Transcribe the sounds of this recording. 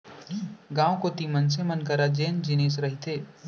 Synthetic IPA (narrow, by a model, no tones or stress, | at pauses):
ɡãːwkot̪iməns̬emənkɐɾad͡ʒeːnd͡ʒɪneːs̬ɾɐɦit̪ʰeː